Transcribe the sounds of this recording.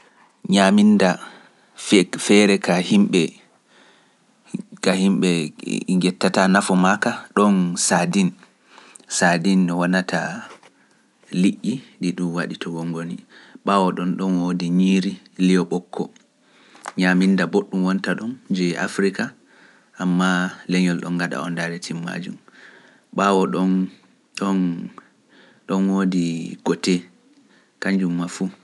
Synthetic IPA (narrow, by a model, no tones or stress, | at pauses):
ɲaminda | fɛɾɛkahimɓɛ | kahimɓɛŋɡɛtːatanafɔmakaɗɔnsadin | sadinɗɔwanatʰa | liʔːiɗiɗumwaɗitʰɔwɔŋɡoniɓawɔɗɔnɗɔnwodiɲiɾi | lijɔɓɔkʰːɔ̰ | ɲamindaboɗːumwɔntaɗɔnd͡ʒɛʔa̰fɾika | amːalɛɲɔlɗɔ̰nɡaɗa̰ɔ̰ndaɾɛtʰimːa̰d͡ʒum | ɓawɔɗɔn | ɗɔn | ɗɔnwodiɡ̥ɔtɛ | kaɲd͡ʒumːafu